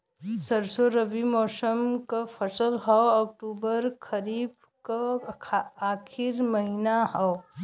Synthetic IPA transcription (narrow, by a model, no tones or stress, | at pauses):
sɐɾsoɾɐʋimɔːsəmkapʰəsəlɦɔɔːk̚ʈuːbəɾkʰɐɾiːb | ka | aːkʰɪɾmɐɦinaɦɔo